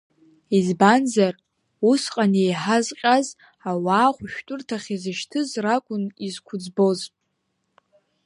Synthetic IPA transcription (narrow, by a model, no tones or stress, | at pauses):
izbanzar | usqʼanejħazqʲʼaz | awaːχʷʊʃᶣtʷʼʊrtʰaχʲizɨʃtʰɨzrakʷʼʊnizkʷʰʊd͡zbo̞zʼ